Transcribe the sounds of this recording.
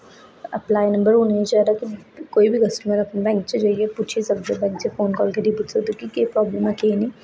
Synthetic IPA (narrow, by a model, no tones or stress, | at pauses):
ɐplaːjnɐ̃mbəɾɦuneĩt͡ʃɐɾakikoːibʱikɐsʈməɾɐkʰnbɛ̃ːŋk̚t͡ʃed͡ʒaːiepuːt͡ʃʰisɐbsebɛ̃ːŋkt͡ʃefoːnkɔːlked̪ʱipuːʈʰsɐd̪ukikepɾɔːblemakeinĩ